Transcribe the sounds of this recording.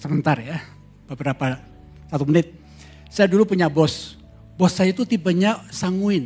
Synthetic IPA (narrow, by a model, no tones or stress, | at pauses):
səmənt̪arja | b̥əbəɾapa | sat̪umənɪt̪̚ | sajadulupuɲabɔs | bɔsːajait̪ut̪ibaɲasaŋuɪn